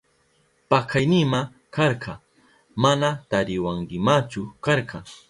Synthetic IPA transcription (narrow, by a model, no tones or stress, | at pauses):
pakʰajnɪma | kɑɾqɑ | manat̪aɾɪwaŋkɪmat͡ʃʊkɑɾqɑ